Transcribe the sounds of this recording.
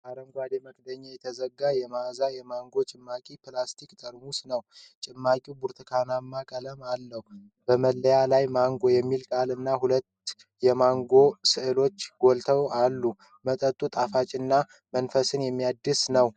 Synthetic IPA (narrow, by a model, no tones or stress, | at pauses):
baɾəmɡʷwad̪eməkd̪əɲːajɛt̪ʰəzəɡːajɛmazajɛmaŋɡo̞t͡ʃʼɪmːakʼipʰlast̪ʰikt̪ʼəɾmusnəwt͡ʃʼɪmːakʼiwbuɾt̪ʰɨkʰanamːakʼələmalːəhu | bəməlːəjalajmaŋɡojɛmːilkʼalɨnːaɦulət̪ | jɛmaŋɡo̞sɨʔɨlo̞t͡ʃːɡ̥o̞lt̪ʰəwalːu | mət̪ʼət̪ʼːut̪ʼafat͡ʃʼɨnːa | mənfəsɨnjɛmːijad̪ːɨsnəw